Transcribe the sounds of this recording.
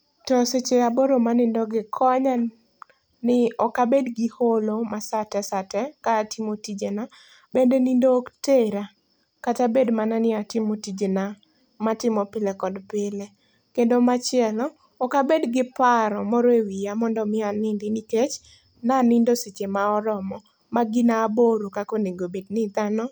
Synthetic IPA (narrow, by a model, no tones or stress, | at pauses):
tɔset͡ʃeaboɾomanɪndɔɡɪkʰɔɲa | nɪɔkabedɡɪholomasatɛsatɛkaːtimotid͡ʒena | bendenindoːkteɾa | katabedmananɪatɪmotid͡ʒena | matɪmɔpɪlekɔdpɪle | kendomat͡ʃɪɛlɔː | kabedɡɪpaɾɔmɔɾɔewijamɔndɔmɪanɪndɪniket͡ʃ | nanɪndoset͡ʃemaɔɾɔmɔ | maɡɪnaːboɾokakoneɡobednɪt̪anɔ